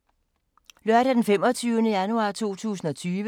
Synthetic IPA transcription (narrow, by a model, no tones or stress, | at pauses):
lɶɐɾ̥æd̥enfem̰ɒ̽t͡sʰyːʊnəjænuɑ̰̈t͡sʰo̝̰ːt͡sʰṵːs̬n̩ɒ̽t͡sʰyːʋə